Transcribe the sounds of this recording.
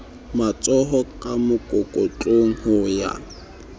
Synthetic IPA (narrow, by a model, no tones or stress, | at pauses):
mat͡sʼɔɦɔkʼamʊkʼokʼot͡ɬʼoŋ̩hʊja̰